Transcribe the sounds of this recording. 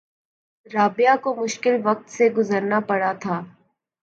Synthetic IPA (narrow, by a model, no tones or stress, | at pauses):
ɾaːbɪjakomʊʃkɪlʋɐk̚t̪seɡʊzəɾnapɐɽat̪ʰaː